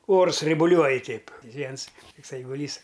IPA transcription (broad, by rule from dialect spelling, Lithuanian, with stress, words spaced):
ˈoːrs rɐɪbʊˈlʲuɔj ˈtʲɛɪp ˈʋʲiɛns ˈtʊks ɛɪɡʊˈlʲiːs